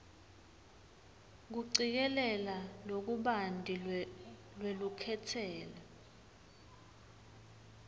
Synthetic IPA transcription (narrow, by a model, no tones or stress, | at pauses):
k̬uǀik̬ɛlɛlalok̬uɓandʱʼi | lwelukʰɛtʰɛːla